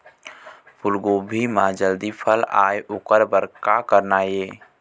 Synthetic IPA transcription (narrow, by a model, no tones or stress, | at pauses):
pʰʊlɡoːbʱimãːd͡ʒəld̪ipʰəla̰ːjʔʊkəɾbəɾkakəɾnaːjeː